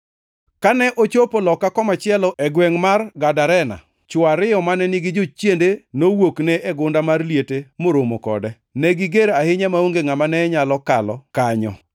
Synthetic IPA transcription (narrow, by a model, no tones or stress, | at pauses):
kanɛʔot͡ʃopolɔkːakɔmat͡ʃɪɛlɔɛɡwɛŋmarɡadaɾɛna̰ | t͡ʃʊaɾɪjɔmanɛnɪɡɪd͡ʒot͡ʃjendenowoknɛʔeɡʊndamarlijetemoɾomokɔ̰dɛ | nɛɡɪɡeɾahɪɲamaoŋɡeŋamanɛɲalɔkalɔ̰kaɲɔ̰